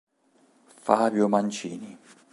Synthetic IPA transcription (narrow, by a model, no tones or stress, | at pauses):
faːbjʊmant͡ʃiːni